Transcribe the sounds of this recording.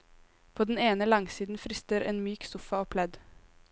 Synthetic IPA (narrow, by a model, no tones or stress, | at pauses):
pʰoːd̪n̩eːnəlɑŋsiːd̪n̩fɾɪst̪əɾeːnmyːksʊfɑoːpʰlɛd̪